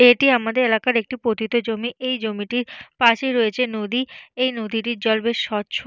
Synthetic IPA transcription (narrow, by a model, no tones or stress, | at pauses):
eʈiamad̪eɾelakaɾek̚ʈipɾot̪it̪od͡ʑomiʔejd͡ʑomiʈiɾpaʃeɾoet͡ɕʰenod̪iejnod̪iʈiɾd͡ʑɔlbeɾʃɔtːɕʰo